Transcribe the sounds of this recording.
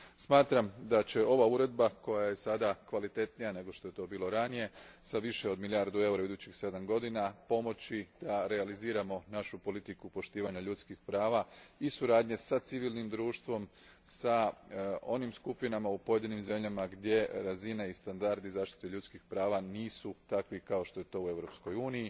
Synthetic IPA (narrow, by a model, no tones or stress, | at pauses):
smaːt̪ɾamd̪at͡ɕe̞o̞ʋauɾe̞d̪bako̞jaje̞sad̪akʋalit̪e̞t̪nijane̞ɡo̞ʃt̪oe̞t̪o̞ːbiːlˠo̞ɾanije̞saʋiʃe̞o̞d̪miljaɾd̪ue̞uɾaid̪ut͡ɕixse̞d̪amɡo̞d̪inapo̞mo̞t͡ɕid̪̥aɾe̞aliziːɾamo̞naʃupo̞lit̪ikupo̞ʃt̪iːʋaɲaʎut̪skixpɾaːʋaisuɾaːd̪ɲe̞sat̪siʋiːlˠnimd̪ɾuːʃt̪ʋo̞m | sa | o̞nimskupinamaupo̞je̞d̪inimze̞mʎʲamaɡd̪ʲje̞ɾazine̞ist̪and̪aɾd̪izaːʃt̪i̥t̪eʎut̪skixpɾaːʋaniːsut̪akʋikao̞ʃt̪o̞je̞t̪o̞ːue̞ʋɾo̞psko̞juːniji